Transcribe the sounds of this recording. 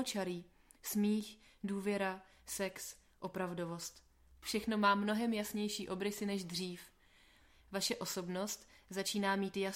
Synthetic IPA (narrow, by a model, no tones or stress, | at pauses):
ot͡ʃaɾiː | smiːxduːvjɛɾa | sɛksʔo̞pɾavdo̞vo̞st̪ | fʃɛxno̞maːmno̞ɦɛmjasɲɛjʃiːʔo̞bɾɪsɪnɛʒdr̝iːf | vaʃɛʔo̞so̞bno̞st̪zat͡ʃiːnaːmiːt̪ja